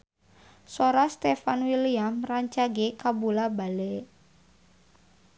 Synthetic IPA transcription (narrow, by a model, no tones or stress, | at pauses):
soɾast̪ɛfanwiliamraɲt͡ʃaɡekabulabalɛ